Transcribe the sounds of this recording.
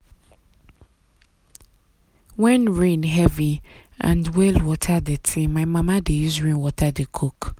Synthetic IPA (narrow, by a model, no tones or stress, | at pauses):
wɛ̃nɹĩnɦɛviʔã̰ndwɛlwɔtʰadɪtʰĩmaɪmãmãdejus̬ɹĩnwɔtʰadɪkʰok